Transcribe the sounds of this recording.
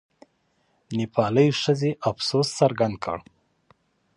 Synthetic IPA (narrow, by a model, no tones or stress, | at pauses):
nipʰɑləjʂəzeʔafsossaɾɡand̪̚kʰə̰ɽ